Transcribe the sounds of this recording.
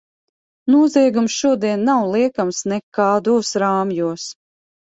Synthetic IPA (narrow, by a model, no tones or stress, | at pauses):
nuɔziɛɡumsʃuɔd̪iɛnːawlˠiɛkamsnɛkaːd̪uɔsɾaːmjuɔs